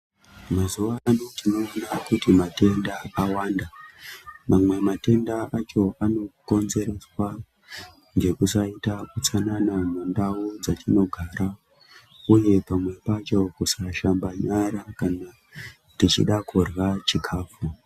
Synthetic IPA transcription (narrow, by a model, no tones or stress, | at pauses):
mazuʋaːno̞tino̞ːnakutimate̞ndaawaːnda | mamwe̞mate̞ndaʔat͡ʃo̞ano̞ko̞nze̞ɾe̞swa | ŋɡe̞kusaitakut͡sananamundaud͡zatʰino̞ɡʱaːɾa | uje̞pamwe̞pat͡ʃo̞kusaʃambaɲaɾakana | tit͡ʃḭɗakʰurwat͡ʃikʰaːp͡fu